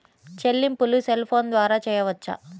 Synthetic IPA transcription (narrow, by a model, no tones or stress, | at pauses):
t͡ʃelːimpuluselpʰoːnd̪ʋaːɾaːt͡ʃɛːjɐʋɐt͡ʃːɐ̰